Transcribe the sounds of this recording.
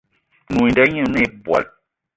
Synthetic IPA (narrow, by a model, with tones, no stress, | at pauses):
nu˨nda˦ɲɨ˦˨ne˦˨˦bwa̰˨l